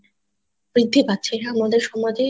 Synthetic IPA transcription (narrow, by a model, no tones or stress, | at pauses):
b̥ɾid̪ʱːibat̪ːɕʰeamad̪eɾʃɔmɔjd̪e